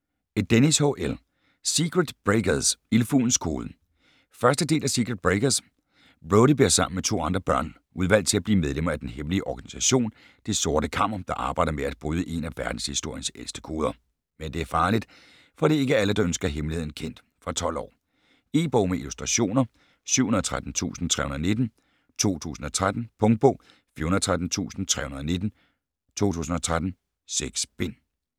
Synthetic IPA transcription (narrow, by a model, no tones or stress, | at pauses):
ed̥enishoʔel | siɡ̥ʁed̥b̥ʁeɡ̥ɐðˠsilfṵːn̩skʰoːðˠ | fɶɐsd̥əd̥e̝̰ːlæsiɡ̥ʁed̥̚b̥ʁeɡ̥ɐs | b̥ʁoʊɾ̥ibeɐsɑ̈m̰n̩met͡sʰo̝̰ːɑ̈nd̥ʁɐb̥ɶɐ̰n | uð̞ˠʋæl̰d̥̚t͡sʰe̝læb̥liːmeð̞ˠlemɐæd̥enɦemliəʔɒɡ̥æni̥sæɕo̝̰ːn | d̥eso̝ːɐɾ̥əkʰɑ̈m̰ɐd̥ɑ̈ʔɑ̈ːb̥ɑ̈ɪdɐmeæd̥̚b̥ʁuːðˠəʔe̝næʋæɐd̥n̩shisd̥o̝ɐ̰jən̩selsd̥ə̥kʰo̝ːð̞ˠɐ | mend̥e̝æɐfɑ̈ːlid̥ | fɒ̽d̥ie̝ɡəæləd̥ɑ̈ønsɡ̥ɐɦemlihe̝ð̞̰ˠn̩kʰen̰d̥ | fʁɑ̈t͡sʰɒ̽l̰ɒ̰ː | e̝b̥ɔʊ̰meilusd̥ʁɑ̈ɕo̝̰ːnɐ | syʊ̰hunɐt͡sʰʁad̥n̩t͡sʰṵːsn̩t͡sʰʁɛ̰ːhunɐːne̝d̥n̩ | t͡sʰo̝̰ːt͡sʰṵːsn̩ɒ̽t͡sʰʁad̥n̩pʰɔ̽ŋd̥̚b̥ɔ̰ː | fiɐhunð̩ˠt͡sʰʁaæd̥n̩t͡sʰṵːsn̩t͡sʰʁɛ̰ːhunɐðˠɒne̝d̥n̩ | t͡sʰo̝̰ːt͡sʰṵːsn̩ɒ̽t͡sʰʁad̥n̩ | seɡ̥sb̥en̰